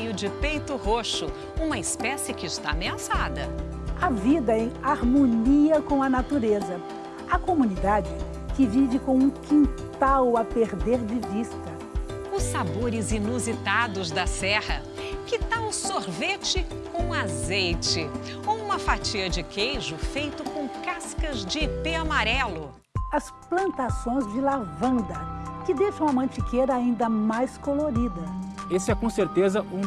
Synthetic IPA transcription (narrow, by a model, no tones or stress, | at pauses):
jʊd͡ʒɪpejt̪ʊɦoʃʊ | ũmɐɪspɛsɪkɪst̪a̰meɐ̃sad̪ɐ | ɐvid̪ɐẽj̃aɾmoniɐkõw̃ɐnat̪uɾezɐ | ɐkomunid̪ad͡ʒɪ | kɪvivɪkõw̃ũkʰĩnt̪awɐpeɾd̪eɾd͡ʒɪvist̪ɐ | ʊsaboɾɪzinuzit̪ad̪ʊzd̪ɐsɛhɐ | kɪt̪awsoɾvet͡ʃɪ | kõw̃azejt͡ʃɪ | owũmɐfat͡ʃiɐd͡ʒɪkejʒʊfejt̪ʊkõkaskɐzd͡ʒɪpeamaɾɛlʊ | ɐs | plɐ̃nt̪asõj̃zd͡ʒɪlavɐ̃nd̪ɐkɪd̪ejʃɐ̃w̃ɐmɐ̃t͡ʃikejɾɐaĩnd̪ɐmajskoloɾid̪ɐesɪɛkõseɾt̪ezɐũ